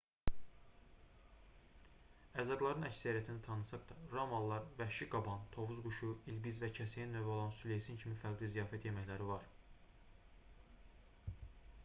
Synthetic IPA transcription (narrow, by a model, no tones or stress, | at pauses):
æzɑɡ̪lˠɑɾɯnæcsæɾijæt̪ʰinit̪ʰɑnɯsɑχd̪ɑɾɑmɑlˠːɑɾvæʃiɡɑbɑnt̪ʰo̞vuzɡuʃuilbizvæcʰæsæjinːøvæo̞lˠɑnsule̞jsincʰimifæɾɡlˠizijɑːfæt̪ʰjemæçlæɾivɑɾ